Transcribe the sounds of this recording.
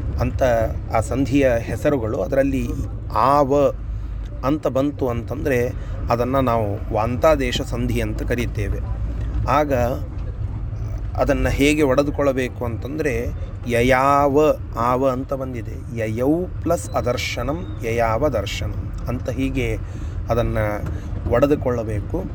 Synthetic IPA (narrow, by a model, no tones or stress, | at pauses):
ɐnt̪ɐaːsɐnd̪ʱijɐɦɛsɐɾuɡɐɭuɐd̪ɐɾɐlːi | aːʋɐ | ɐnt̪ɐbɐnt̪uɐnt̪ɐnd̪ɐɾe̞ | ɐd̪ɐnːɐnaːʋuʋaːnt̪aːd̪ɛːʃɐsɐnd̪ʱijɐnt̪ɐkɐɾit̪ːeːʋe̞aːɡɐ | ɐ̰d̪ɐnːɐɦeːɡe̞ɔɽɐd̪ukɔɭːɐbeːkuɐnt̪ɐnd̪ɐɾe̞ | jɐjaːʋɐ | aːʋɐɐnt̪ɐbɐnd̪id̪e̞ | jɐjɐwplɐsɐd̪ɐɾʃɐɳɐm | jɐjaːʋɐd̪ɐɾʃɐnɐm | ɐnt̪ɐɦiːɡe̞ | ɐd̪ɐnːɐʋɐɽɐd̪ukɔɭːɐbeːku